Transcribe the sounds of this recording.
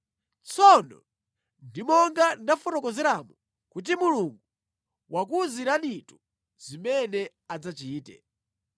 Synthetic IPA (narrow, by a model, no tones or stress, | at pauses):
t͡sʰɔnɔ̰ | ndimɔŋɡandafɔtɔkɔzɛɾamu | kut̬imuluŋɡu | wakuziɾanitu | z̥imɛnɛ | ad͡zat͡ʃiːtɛ̰